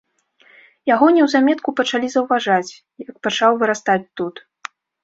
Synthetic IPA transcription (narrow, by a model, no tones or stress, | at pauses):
jaɣɔnʲɛwzamʲɛt̪kupɐt͡ʂalʲizɐwvaʐat͡sʲ | jɐk̚pat͡ʂawvɨɾast̪at͡sʲt̪ut̪